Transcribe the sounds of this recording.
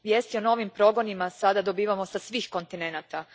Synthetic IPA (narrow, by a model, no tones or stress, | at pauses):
ʋjest̪io̞no̞ʋimpɾo̞ɡo̞nimasad̪ad̪o̞biːʋamo̞sasʋiːxko̞nt̪ine̞naːt̪a